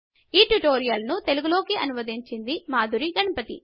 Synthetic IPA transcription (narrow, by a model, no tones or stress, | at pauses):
iːʈuʈoːɾijɐlnut̪e̞luɡulo̞ːkiʔɐnumɐd̪iɲt͡ʃind̪imaːd̪uɾiɡɐɳɐpɐt̪ḭ